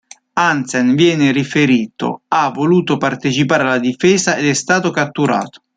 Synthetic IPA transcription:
ansɛnvjɛːnɪɾifeɾiːt̪o̰avːoluːt̪opart̪et͡ʃipaːɾalːad̪ifɛːzaed̪ɛst̪aːt̪okat̪ːuɾa̰ːt̪o̥

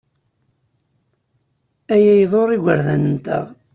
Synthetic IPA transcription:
æjæjðˤoɾˤiɡʷəɾðænənt̪ə̰ʁ

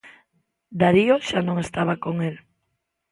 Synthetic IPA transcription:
d̪aɾioʃanõŋest̪aβakoŋel

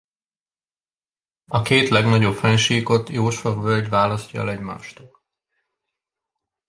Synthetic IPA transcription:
ɒkeːt̪lɛɡnɒɟo̞pfɛɲʃiːko̞t̪joːʃɒvvølʲɟvaːlɒscɒɛ̰lɛɟma̰ːʃt̪uːl

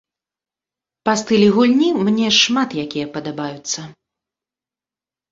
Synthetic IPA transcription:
past̪ɨlʲiɣulʲnʲimnʲɛʂmat̪jakʲijɛpɐd̪abajut̪sːɐ

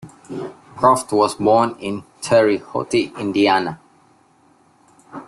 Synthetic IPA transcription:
kʰɹɔftwɔsbɔ̃nĩntʰəɹiho̰tiĩndiana

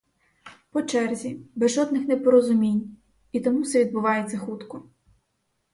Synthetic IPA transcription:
pɔt͡ʃɛrzʲibezʒɔd̪nɪxnɛpɔɾɔzʊmʲinʲ | it̪ɔmusɛʋʲid̪̚bʊʋɑjet͡sʲːɐxut̪kɔ

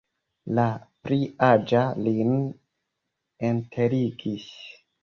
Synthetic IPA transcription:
lapɾiad͡ʒalin | entʰe̞ɾiɡis

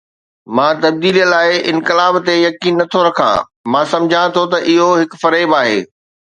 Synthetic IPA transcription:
mãːt̪ɐb̚d̪iːlijəlaːɪʔɪnkɪlaːbt̪ejɐkiːnːɐt̪ʰoɾɐkʰã̰ | mãːsɐ̃md͡ʑʱãt̪ʰot̪ɐʔɪɦoɦɪkfɐɾeːbaːɦḛː

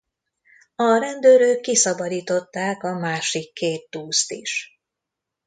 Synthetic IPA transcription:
ɒɾɛnd̪øːɾøːkːisɒbɒd̪iːt̪o̞t̪ːaːkɒmaːʃikːeːt̪ːuːst̪iʃ

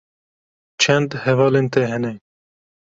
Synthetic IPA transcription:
t͡ʃʰɛnd̪hɛvɑːleːnt̪ɛɦɛnɛ

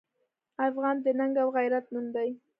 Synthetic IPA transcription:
ɑfʁɑnd̪enaŋɡalʁɑjɾat̪̚mund̪ɑj

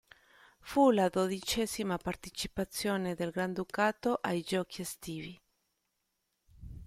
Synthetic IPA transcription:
fulad̪od̪it͡ʃɛzimapart̪et͡ʃipat̪sːjoːned̪elɡɾand̪ukaːt̪oʔajd͡ʒɔːkʰiest̪iːvi

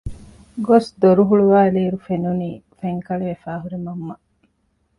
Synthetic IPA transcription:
ɡosd̪oɾuɦuɭuʋaːeliːɾufenuniːfeŋkɐɭeʋefaːɦuɾimɐmːɐ

